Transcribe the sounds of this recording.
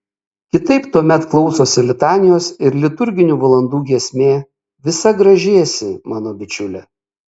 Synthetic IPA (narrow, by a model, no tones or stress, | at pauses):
kʲɪt̪ɐɪpt̪uɔmʲɛt̪klˠɒʊsoːsʲɪlʲɪt̪ɑːnʲɪjoːsɪɾlʲɪt̪ʊɾʲɡʲɪnʲuːʋɐlˠɐnd̪uːɡʲiɛsʲmʲeː | ʋʲɪsɐɡɾɐʒʲeɛjsʲɪmɑːnoːbʲɪt͡ʃʲʊlʲɛ